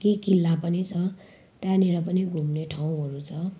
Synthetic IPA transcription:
kikilːapʌnit͡sʰʌ | t̪jãniɾʌpʌniɡʱumneʈʰaw̃ɦʌɾut͡sʰʌ

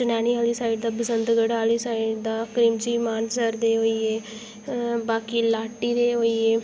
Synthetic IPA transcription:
ənɛːniaːliːsaːɪɖd̪aːbəsənd̪ɡəɽaːliːsaːɪɖd̪aːkɾiːmd͡ʒiːmaːnsəɾd̪eːoːiːeː | baːkiːlaːʈːiːd̪eːoːiːeː

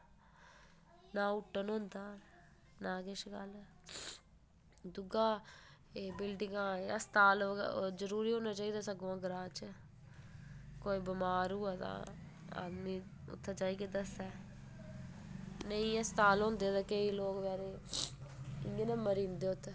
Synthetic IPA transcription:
nãːʊʈːənɦʊ̃nd̪aː | naːkɪʃɡəl | d̪ʊɡaː | eːbɪlɖɪŋɡãːəst̪aːlzəɾuːɾiːɦoːnãːt͡ʃaːiːd̪aːsəɡãːɡəɾaːt͡ʃ | koːiːbəmaːɾuːaːt̪ã̰ː | a̰ːd̪miːʊ̰t̪ʰːet͡ʃaːiːked̪əsɛː | nəĩːəst̪aːlɦʊ̃ːnd̪eːt̪aːkəiːloːkʋɛːɾeː | ɪŋɡeːnəːməɾĩːnd̪eːʊt̪ʰːe

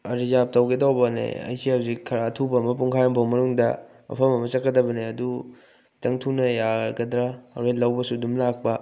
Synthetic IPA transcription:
ɐɾizap̚tɐwɡidawbɐnḛɐ̰jsiawzikʰɐɾaːtʰubɐːmɐp̬uŋkʰajɐmbɐwmɐnuŋdɐ | mɐ̰pʰɐmɐmɐt͡ʃɐkːɐdɐbɐneɐdu | tɐŋtʰunɐjaɡɐdɾaɐ̰wɾetlɐwbɐsudumlak̚pɐ

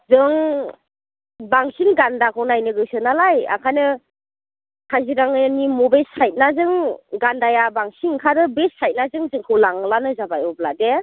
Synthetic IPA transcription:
zɯŋ | baŋsinɡandakʰɯwnajnɯɡɯsɯnalaja̰kʰajnɯ | kʰaziɾaŋɯnimɔbesajt̚nazɯŋɡandajabaŋsiŋkʰaɾɯbesajt̚nazɯŋzɯŋkʰɯwlaŋlanɯzabajɔblade

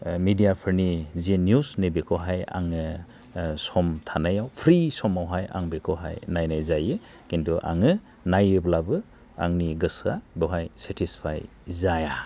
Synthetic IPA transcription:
midijapʰɯɾnizinjusnebekʰɔɦaja̰ŋɯ | sɔmtʰanajawpʰɾisɔmawɦaja̰ŋbekʰɔɦa̰jnajnajzajɯ | kintʰuʔa̰ŋɯ | najɯblabɯ | a̰ŋniɡɯsabɔɦajsetʰispʰa̰j | zaja

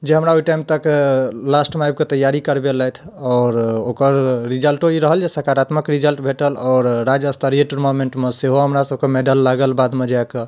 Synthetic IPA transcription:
d͡ʒeɦəmɾaoiʈajmt̪əklasʈmajb̚ket̪əjːaɾikəɾbeləjt̪ʰɔːɾokəɾːid͡ʒəlʈoiɾəɦəld͡ʒesəɾkaɾat̪məkɾid͡ʒəlʈbʱeʈəlɔːɾːad͡ʒəst̪ʰəɾieʈɾmomeɳʈmeseɦoɦəmɾasəb̚ʱkemeɖəlːaɡəlbad̪med͡ʒakə

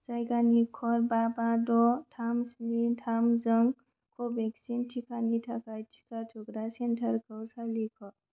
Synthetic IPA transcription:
sajɡanikʰɔɾbabadɔtʰamsnitʰamzəŋ | kʰobʱeksintʰikanitʰakajt͡ʃʰi̥katʰuɡɾasentʰəɾkʰəwsalikʰɔɾ

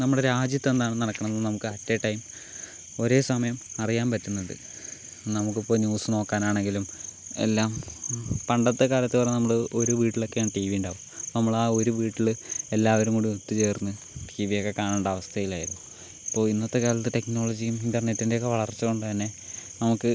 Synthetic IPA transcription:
nɐmːuɽeɾaːd͡ʑjɐt̪ːend̪aːɳɨnɐɽɐkːɐɳɐnːnɐmukːɨɐtːeʈːɐjim | o̞ɾe̞ːsɐmɐjɐmɐrijaːnpɐtːunːɐðɨ̰ | nɐmuk̬ːipːo̞ːnjuːsɨno̞ːkːaːnaːɳeŋɡilume̞̰lːaːmpɐɳɖɐt̪ːekaːlɐt̪ːɨpɐreenɐmːɐɭɨoɾuʋiːʈːilo̞kːe̞jaːɳɨʈiːʋijuɳɖaːʋumnɐmːɐɭaːo̞ɾuʋiːʈːiɭe̞lːaːʋɐɾumkuːɽɖiot̪ːit͡ɕe̞ːrnːɨ | ʈʰiːʋijokːe̞kaːɳɐɳɖɐʋɐst̪ʰɐjilaːjiɾunːu | ipːo̞ːɭinːɐt̪ːekaːlɐt̪ːɨte̞kno̞ːɭɐd͡ʑijumindɐrnetːinde̞okːeʋɐɭɐrt͡ɕːɨko̞ɳɖɨt̪ɐnːe̞ | nɐmukːɨ

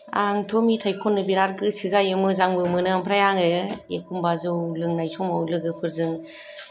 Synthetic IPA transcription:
a̰ŋtʰɔmitʰajkʰɔnːɯbiɾaɾɡɯsɯzajɯmɯzaŋbɯmɯnɯampʰɾajaŋɯekʰumbazɯwlɯŋnajsɔmawlɯɡɯpʰɯɾzɯŋ

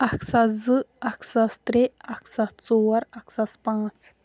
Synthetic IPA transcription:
ɐkʰsazɨɐksast̪ɾeɐksat͡soːɐɾɐksaspãːt͡s

